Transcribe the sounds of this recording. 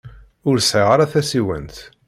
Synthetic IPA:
ʊɾsʕiʁaɾaθæsiwə̰nt̪

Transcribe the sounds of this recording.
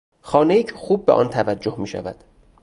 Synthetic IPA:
xɒːnejiːcʰexuːb̚ːeʔɒ̰ːnt̪ʰævæd͡ʒːohmiːʃæ̰væ̰d̪̥

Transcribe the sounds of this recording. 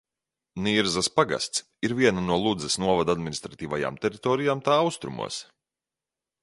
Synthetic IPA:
niːɾzaspaɡa̰st̪s | iɾviɛnanuɔlˠud̪zɛsnuɔvad̪ad̪mʲinist̪ɾat̪iːvaja̰ːmt̪ɛɾit̪ɔːɾijaːmt̪aːawst̪ɾumṵɔs

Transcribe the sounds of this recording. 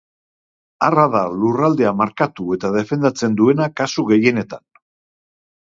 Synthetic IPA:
araðalurald̪e̞amaɾkat̪ue̞t̪að̞e̞fe̞nd̪at͡se̞nd̪ue̞nakasuɣe̞je̞ne̞t̪an

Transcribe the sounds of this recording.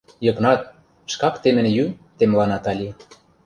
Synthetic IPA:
jɤ̆knɑt̪̚ | ʃkɑkt̪emɘ̆njyt̪emlɑnɑt̪ɑlʲi

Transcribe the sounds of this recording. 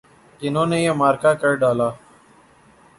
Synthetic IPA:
d͡ʒɪnõːneːiəmaːɾkaːkəɽɖaːlaː

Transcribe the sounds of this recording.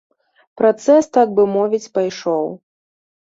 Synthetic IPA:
pɾat̪sɛst̪aɡ̚bɨmɔvʲit͡sʲpajʂɔw

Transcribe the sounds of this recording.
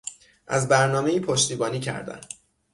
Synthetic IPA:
ʔæ̰zbæɾnɒːme̞iːpʰoʃt̪iːbɒːniːcʰæ̰ɾd̪æ̰n

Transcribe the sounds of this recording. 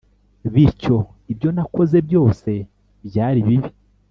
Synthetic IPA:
βiɾco̞ | ibjo̞nako̞ze̞bjo̞ːse̞ | bjaːɾiβiβi

